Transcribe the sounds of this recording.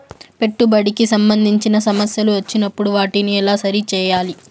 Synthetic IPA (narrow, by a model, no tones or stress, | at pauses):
pe̞ʈːubɐɽikisɐmbɐnd̪ʱiɲt͡ʃinɐsɐmɐsjɐluʋɐt͡ʃːinɐpːuɽuʋaːʈiniɛlaːsɐɾit͡ʃɛːjaːli